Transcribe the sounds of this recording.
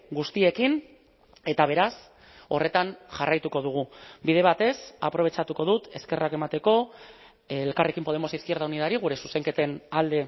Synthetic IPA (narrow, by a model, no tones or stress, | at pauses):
ɡust̪ie̞kin | e̞t̪aβ̞e̞ɾas | o̞re̞t̪anʝarajt̪uko̞ð̞uɣ̞ubiðe̞β̞at̪e̞sapɾo̞βe̞t͡ʃat̪uko̞ð̞ut̪e̞ske̞rake̞mat̪e̞ko̞ | lkare̞kimpo̞ð̞e̞mo̞siθkie̞ɾðauniðaɾiɣ̞uɾe̞suse̞ŋke̞t̪e̞nald̪e̞